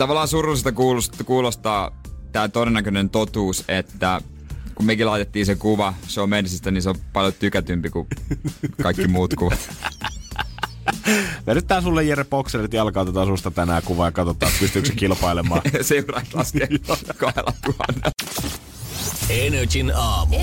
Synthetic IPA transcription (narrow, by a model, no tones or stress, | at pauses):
t̪ɑʋɑlːˑɑːsurulist̪ɑkuːlustkuːlost̪ɑːt̪æːt̪oˑeenːækønent̪ot̪uːset̪ːæ | kummekilɑˑit̪et̪ːiːsekuʋɑseommensist̪æninseopɑljot̪ykæt̪ympiku | kɑikːimuːt̪kuʋɑt̪ | menyt̪t̪ːæːsulːejjærepokserit̪jɑlkɑˑːt̪æt̪ɑsust̪ɑt̪ænæːkuʋɑjɑkɑt̪ot̪ːˑɑːpyst̪yssikilpɑilemɑːseurɑt̪lɑskeːkɑhelʔɑ̰t̪uhɑ̰nːe | enøt͡ʃinɑːmu